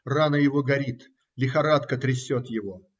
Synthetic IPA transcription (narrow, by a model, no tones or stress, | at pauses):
ranəjɪvoɡɐɾʲit̪ | lʲɪxɐɾat̪kət̪ɾʲɪsʲːot̪jɪvo